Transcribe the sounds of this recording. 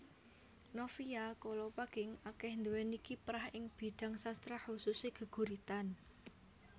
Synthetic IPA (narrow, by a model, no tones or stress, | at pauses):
nofiakolɔpaɡ̥ɪŋakɛhnd̪uwɛnikipɾahɪŋb̥i̤d̪̥a̤ŋsast̪ɾahususeɡ̥ə̤ɡ̥ṳɾit̪an